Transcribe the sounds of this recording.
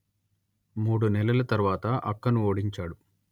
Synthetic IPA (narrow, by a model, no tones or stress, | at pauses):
muːɽunɛlɐlɐt̪ɐɾʋaːt̪ɐʔɐkːɐnuoːɽiɲt͡ʃaːɽu